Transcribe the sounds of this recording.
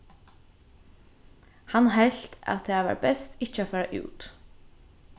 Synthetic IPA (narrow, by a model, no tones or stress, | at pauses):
hanɦɛɬt̪a̰t̪̚eːaʋɑ̰ːɹbɛst̪ɪt͡ʃːəafæːɹaʔʉ̰ːt̪